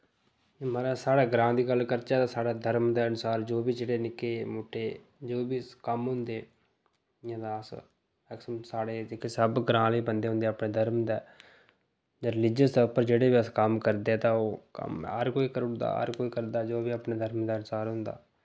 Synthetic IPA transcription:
maːɾaːsaːɽaːɡɾãːd̪iːɡəlːkəɾt͡ʃaːt̪aːsaːɽaːd̪ʱəɾmd̪aːənʊsaːɾd͡ʒoːbiːd͡ʒeːɽeːnɪkeːmoːʈʰːeː | d͡ʒoːbiːkəmɦʊ̃nd̪eː | ɪjãːd̪aːəs | ɛːksəsaːɽeːd͡ʒɪkːeːsəbɡɾãːliːbənd̪eːɦʊ̃nd̪eːaːpɳeːd̪ʱəɾmd̪aː | d͡ʒɾɪlɪd͡ʒəsd̪ːʊpəɾd͡ʒeːɽeːbiːəskəmkəɾd̪eːɛːt̪ãːoːkə̰mɦəɾkoːiːkəɾɳd̪a̰ːɦə̰ɾkoːiːkəɾd̪aːd͡ʒoːbiːapɳeːd̪ʱəɾmd̪aːənʊsaːɾɦʊ̃nd̪a̰ː

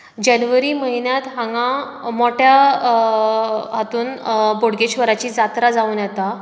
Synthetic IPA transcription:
d͡ʑanʋəɾiːməɦinjat̪ɦãŋɡã | moʈʰja | ɦat̪uːnboɽɡet͡ɕʋəɾat͡ɕiːd͡zat̪ɾad͡zauːnjɛt̪a

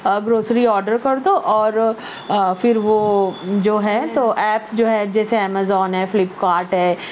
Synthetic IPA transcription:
ɡɾoːsɾiɔːɾɖəɾkɐɾd̪oʔɔːɾ | fɪɾʋod͡ʒoːɦɛt̪oʔɛːp̚d͡ʒoːɦɛd͡ʒɛːseɛːmazɔːnɦɛfɪlɪpkaːɾʈɦɛː

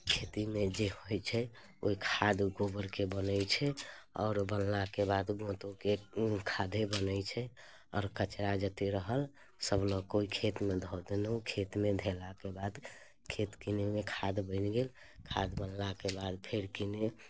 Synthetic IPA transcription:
kʰet̪imẽd͡ʒehojt͡ʃʰɛ | o̰ikʰad̪ɡobəɾkebənəjt͡ʃʰɛɔ̰ːɾbənlakebad̪ɡõt̪okekʰad̪ʱebənət͡ʃʰɛ | ɔ̰ːɾkət͡ʃɾad͡ʒət̪eɾəɦəl | səblɔkoikʰet̪med̪ʱɔd̪enukʰet̪med̪ʱelakebad̪ | kʰet̪kinemekʰad̪bəɪnɡel | kʰa̰d̪bənlakebad̪pʰeɾkine

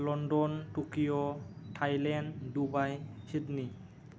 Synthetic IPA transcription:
lɔndɔntukijɔʈʰajlɛndubajsid̪ni

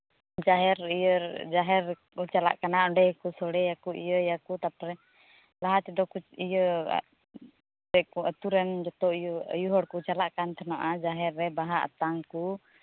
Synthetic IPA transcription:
d͡ʒaɦɛɾijəd͡ʒaɦɛɾ | ut͡ʃala̰ʔkanaʔɔɳɖɛkusɔɽɛjakuḭjəjakut̪ap̚ɾɛ | laɦat͡ʃɛd̪ɔkut͡ʃijə̰ | bɛkuət̪uɾɛnd͡ʒɔt̪ɔj̰juɦɔɽkut͡ʃalaʔkant̪ʰɛnaʔad͡ʒaɦɛɾːɛbaɦaʔa̰t̪aŋku

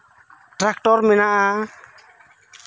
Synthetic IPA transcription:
ʈɾak̚ʈɔɾmɛnaʔa

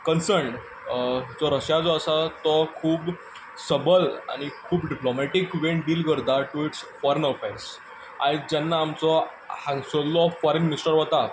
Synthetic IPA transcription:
kənsəɾɳɖ | d͡zɔɾəɕjad͡zɔəsat̪ɔkʰuːp | səbəla̰ɽ̃ikʰuːpɖiplomæʈikʋeɳɖiːlɡəɾd̪aʈuiʈsfɔɾenɔfẽs | a̰id͡ʑanːaːmt͡sɔ | hãŋɡsolːɔfɔɾenminisʈəɾɦɔt̪a

